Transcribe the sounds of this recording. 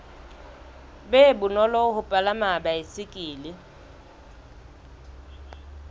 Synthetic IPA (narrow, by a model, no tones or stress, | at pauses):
bebʊnɔlɔhʊpʼalamabaɪsɪkʼiːlɪ